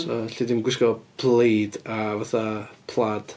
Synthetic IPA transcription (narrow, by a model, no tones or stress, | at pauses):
ɔɬidɪmɡwɪskɔb̥lejdavaθapʰlˠad̥